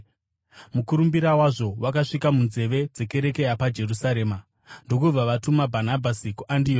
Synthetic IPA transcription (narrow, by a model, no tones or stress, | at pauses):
mukuɾumbiɾawaʐo̞wakaʂikamunze̞ʋe̞d͡ze̞ke̞ɾe̞ke̞japad͡ʒe̞rusaɾe̞ːma | ndok̬ub͡vaʋatumabʱanabʱasikuʔandioː